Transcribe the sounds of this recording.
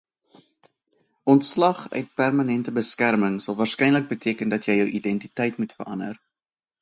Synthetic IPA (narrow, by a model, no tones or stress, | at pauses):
ʔɔntslɐχœ̰ɥt̚pærmɐnɛntəbəskærməŋsɐlˠvɑːrskɛjnlək̚bətʰiəkəndɐtjəjəwʔidɛntitɛjtmutfə̰rʔɐ̰ndə̰r